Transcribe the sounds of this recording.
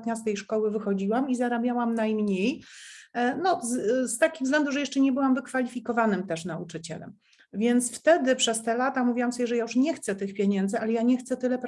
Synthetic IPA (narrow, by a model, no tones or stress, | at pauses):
t̪ɲast̪ɛjʂkɔwɘvɘxɔd͡ʑiwamizaɾabʲjawamnajmɲej | nɔst̪akʲiɣvzɡlɛnd̪uʐɛjɛʂt͡ʂɛɲɛbɘwamvɘkfalʲifʲikɔvanɘmt̪ɛʂnaut͡ʂɘt͡ɕɛ̰lɛ̰m | vʲjɛnt̪sft̪ɛd̪ɘpʂɛst̪ɛlat̪amuvʲiwamsɔbʲjɛʐɛjajuʂɲɛxt̪sɛt̪ɘxpʲjeɲɛnd̪zɘalɛjaɲɛxt̪sɛt̪ɘlɛpɾ